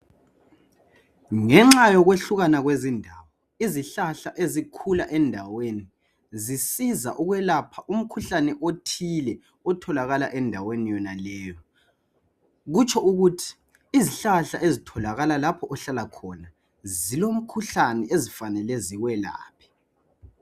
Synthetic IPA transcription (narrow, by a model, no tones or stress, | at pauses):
ŋɛŋ͡ǁajɔɣweɬuɣanaɣwezindʱaːwɔ | iziɬaɬaʔezikʰulaʔɛndʱaweni | zisiza̰ʔuɣwɛlapʰaʔum̩kʰuɬanɛʔotʰilɛ | ɔtʰɔlaɣala̰ʔɛndʱawenijɔnalɛːjɔ | ɣut͡ʃʰʼɔuɣutʰi̥ː | ziɬaɬaʔezitʰɔlaɣalalapʰɔʔɔɬalakʰɔna | zilom̩kʰuɬanɛezifanɛlɛziwɛla̰ːpʰi̥